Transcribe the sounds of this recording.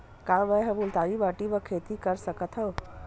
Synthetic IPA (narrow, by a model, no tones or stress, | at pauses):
kabəɦəbult̪aɾibaʈibəkʰet̪ikəɾsəkət̪ɦəw